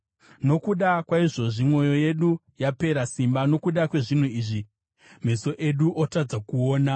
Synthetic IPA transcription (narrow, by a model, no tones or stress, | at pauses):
no̞kuɗakwaiʐo̞ʐimwo̞jo̞je̞ɗu | jape̞ɾasimbano̞kuɗakwe̞ʐin̤uiːʐi | me̞so̞ʔe̞ɗuʔotad͡zakuoːna